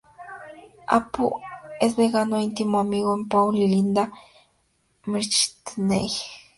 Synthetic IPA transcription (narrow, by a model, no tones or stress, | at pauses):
a̰poesbeɣanoint̪imoamiɣoempawlilind̪a | miɾt͡ʃi̥t̪nej